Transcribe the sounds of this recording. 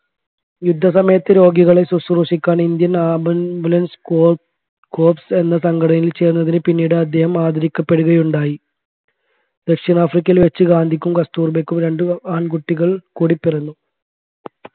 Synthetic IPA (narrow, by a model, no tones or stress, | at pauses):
jud̪ʱːɐsɐmɐjɐt̪ːɨɾo̞ːɡiɣɐɭe̞susruʂikʲːaːɳind̪jɐnaːbbulɐns | koːpse̞nːɐsɐŋɡɐɽɐnilt͡ɕe̞ːɾunːɐðinɨpinːiːɽɨɐd̪ʱːjehɐmaːd̪ʱɐɾikʲːɐpːe̞ɽuɣɐjuɳɖaːji | d̪ɐkʂɐnaːfrik̬ʲːɐjilʋet͡ɕːɨɡaːnd̪ʱikʲːumkɐst̪uːrbekʲːumɾe̞ɳɖɨaːɳkuʈːiɣɐɭkuːɽipːirɐnːu